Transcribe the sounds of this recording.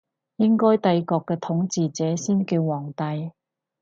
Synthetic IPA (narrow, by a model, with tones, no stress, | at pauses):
jɪ˥ŋkɔː˥jt̪ɐ˧jkɔː˧kːɛː˧t̪ʰʊ˨˥ŋt͡siː˨t͡sɛː˨˦˥siː˥nki˧wwɔː˨˩ŋt̪ɐ˧j